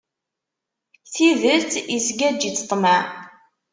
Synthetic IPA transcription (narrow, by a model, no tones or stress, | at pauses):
θiðət͡sisɡæd͡ʒit͡sːə̥t̪ˤːmæʕ